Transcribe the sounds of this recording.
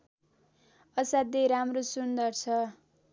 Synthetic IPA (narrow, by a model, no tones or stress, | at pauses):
ʌsad̪eɾamrosund̪ʌrt͡sʰʌ